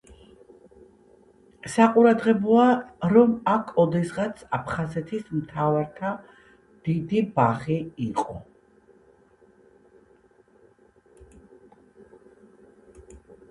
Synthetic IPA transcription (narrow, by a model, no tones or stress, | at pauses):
saqʼuɾad̪ʁɛbɔaɾɔmakʰɔd̪ɛsʁat̪sʰapʰχazɛt̪ʰismt̪ʰavaɾt̪ʰa | d̪̥id̪ibaχiiqʼɔ̰